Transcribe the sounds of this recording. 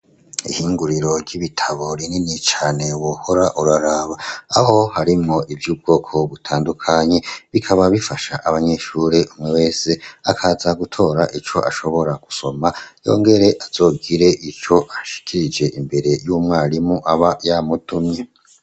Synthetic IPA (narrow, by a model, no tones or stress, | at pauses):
ḭhiːŋɡuɾiɾo̞ɟiβitʰaβoɾininit͡ʃaːne̞wohoɾaʔuɾaɾaβaːho̞haɾimŋo̞ʔivjuːb̚ɡo̞ːkʰo̞βutʰaːndukʰaɲe̞βikʰaβaβifaʃaʔaβaɲe̞ʃuːɾeʔumŋewe̞ːse̞akʰazaɡutʰo̞ːɾaʔit͡ʃo̞̰ʔaʃo̞βo̞ɾaɡ̥u̥so̞majo̞̰ːŋɡe̞ɾeʔaz̥o̞ːɡiɾe̞ʔit͡ʃo̞ʔaʃi̥kʰiɾid͡ʒe̞ʔimbe̞ɾe̞juːmŋaːɾimuʔaβajamutumɲe